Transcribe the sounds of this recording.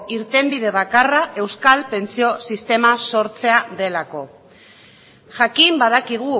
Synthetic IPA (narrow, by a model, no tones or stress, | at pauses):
iɾt̪e̞mbið̞e̞β̞akaraʔe̞wskalpe̞nt͡sio̞sist̪e̞maso̞ɾt͡se̞aðe̞lako̞ | ʝakimbaðakiɣ̞u